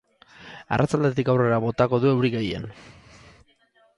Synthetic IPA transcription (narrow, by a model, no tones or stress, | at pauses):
a̰rʔat͡sald̪e̞t̪̬ikawre̞ɾaβo̞t̪ako̞ðue̞wɾiɣejḛn